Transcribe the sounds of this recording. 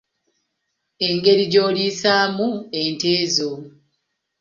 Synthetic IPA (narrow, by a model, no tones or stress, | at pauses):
e̞ŋɡe̞ɾiɟo̞ːliːsaːmue̞ːnteːzo